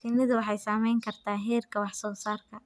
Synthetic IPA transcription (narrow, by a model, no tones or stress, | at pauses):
kʰɪnɪðʊwɑħɑjsaːmɛjŋkʰɐrt̪ʰaːɦɛːrkʰɐwɑħsɔːsaːrkʰɐ